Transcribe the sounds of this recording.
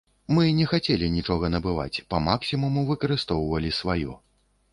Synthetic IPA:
mɨnʲɛxat͡sʲɛlʲinʲit͡ʂɔɣɐnɐbɨva̰t͡sʲpɐmaksʲimumuvɨkɐɾɨst̪ɔwvɐlʲisvajɔ̰

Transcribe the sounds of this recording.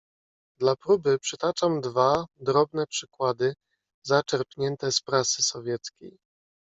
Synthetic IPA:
d̪lapɾubɘpʂɘt̪at͡ʂamd̪vad̪ɾɔbnɛpʂɘkwad̪ɘ | zat͡ʂɛɾpɲɛnt̪ɛspɾasɘsɔvʲjɛt̪skʲḛj

